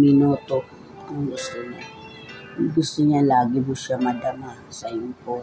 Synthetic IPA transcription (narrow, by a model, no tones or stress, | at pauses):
mɪnoːt̪o | ɐŋɡʊst̪ʊɲa | ɡʊst̪ʊɲalaːɡɪbʊskamɐd̪ɐma | sɐjʊŋpo